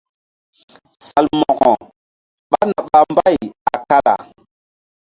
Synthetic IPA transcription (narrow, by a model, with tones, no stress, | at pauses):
sa˨lmɔ˨ɡɔ˨ | ɓa˦na˨ɓa˦mba˦ja˨ka˦la̰˨